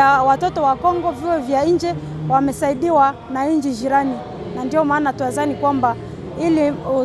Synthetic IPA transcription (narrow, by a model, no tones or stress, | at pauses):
awatɔtɔwakɔŋɡɔviɔvjaind͡ʒɛ | wamɛsaiɗiwa | naiɲd͡ʒid͡ʒiɾani | nandiɔmaːnatuwaðanikwamba | iliu